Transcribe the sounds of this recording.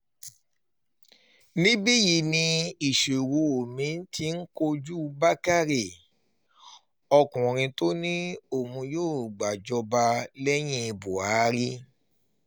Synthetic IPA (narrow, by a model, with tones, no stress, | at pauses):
nĩ˦bi˦ji˧˨nĩ˧i˨ʃe˨wo˨˧˦o˨mĩ˨˦n̩˦ti˧n̩˦ko˧d͡ʒu˦ba˦ka˦ɾe˨ | ɔ˧kũ˨ɾ̃ĩ˧to˦nĩ˦o˦˨mũ˧joː˦˨ɡ͡ba˨d͡ʒɔ˧ba˧lɛ˦j̃ĩ˦˧bo˨a˨˦ɾi˦